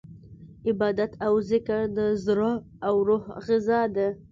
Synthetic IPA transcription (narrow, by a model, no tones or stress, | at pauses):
ɪbɑd̪at̪ʰawzɪkaɾd̪əzɾo | awɾohɣɪzɑd̪a